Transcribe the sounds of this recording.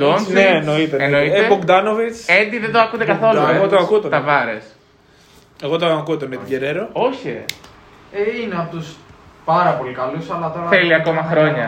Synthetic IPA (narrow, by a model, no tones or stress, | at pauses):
d̪onnenoit̪eeoiepoɡd̪ɐnovit͡send̪iðed̪oɐkund̪ekɐθo̞llueeɣot̪oɐkut̪ot̪ɐvɐɾḛs | eɣot̪okut̪onet̪iɟeɾeɾoo̞çe | eineɐpot̪uspɐɾɐpo̞likɐlusɐlɐt̪o̞ɾɐθeliɐko̞mɐxɾo̞ɲɐ